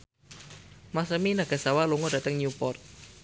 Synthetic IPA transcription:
masəminaɡ̥a̤sawaluŋɔd̥a̤t̪əŋɲupɔrt̪̚

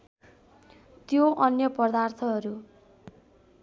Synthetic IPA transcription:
t̪joʔʌnjʌpʌd̪art̪ʰʌɦʌɾu

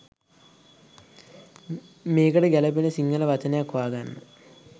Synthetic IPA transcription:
meːɡɐɽeɡælɐpinesiŋːɐlɐʋɐt͡ɕɐnejakːʋaːɡanːɨ

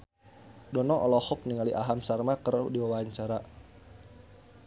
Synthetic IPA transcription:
dɔnɔʔɔ̰lɔhʊk̚niŋaliʔaɦamsarmakərdiwawaaɲt͡ʃaɾa

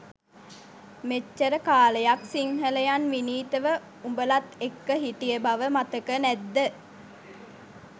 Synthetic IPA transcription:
met͡ʃːəɾəkaːləjaksiŋɦələjanʋiniːt̪əʋə | umbəlat̪ekːəɦit̪ijəbaʋəmat̪əkənæd̪ːə

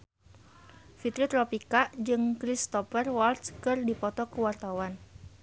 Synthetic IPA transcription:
fit̪ɾit̪ɾɔpikaʔd͡ʒɨŋkɾist̪ɔfərwalt̪skɨrdipɔt̪ɔkəwart̪awan

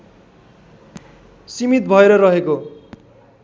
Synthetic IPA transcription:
simit̪bʱʌeɾʌrʌɦeko

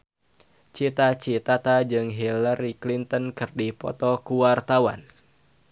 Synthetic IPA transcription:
t͡ʃit̪at͡ʃit̪at̪ad͡ʒɨŋɦilaɾiklint̪ənkɨrdipɔ̰t̪ɔkuwart̪awa̰n

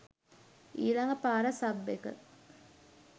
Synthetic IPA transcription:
iːlɐŋɡəpaːɾɐsɐbːekə̰

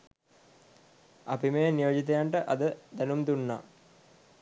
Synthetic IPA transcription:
ɐpimejnijod͡ʒit̪ɐjaɳʈəʔɐd̪əd̪ænumd̪unːa

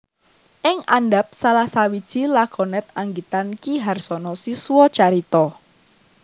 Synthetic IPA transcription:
ʔɪŋanɖap̚salahsawid̥ʒ̥i̤lakɔnɛt̪̚aŋɡit̪ankiɦarsɔnɔsisuwɔt͡ʃaɾit̪ɔ

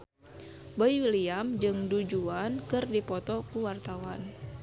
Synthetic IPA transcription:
bɔiwiliamd͡ʒɨŋdud͡ʒuankɨrdipɔt̪ɔkuwart̪awan

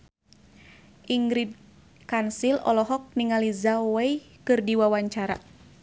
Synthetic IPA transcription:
ʔiŋɡɾid̚ | kansilɔ̰lɔɦɔk̚niŋalizawɛjkɨrdiwawaɲt͡ʃaɾa̰

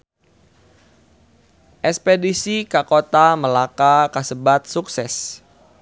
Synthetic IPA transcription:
ʔɛspedisikakot̪aməlakakasəbat̪̚suksɛs

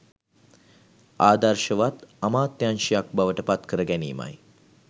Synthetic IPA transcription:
aːd̪aɾʃəʋat̪amaːt̪ːjanʃijak̚baʋəʈəpat̪kəɾəɡæniːma̰j

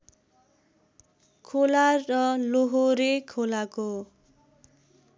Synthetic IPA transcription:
kʰolarʌloɦoɾekʰolako

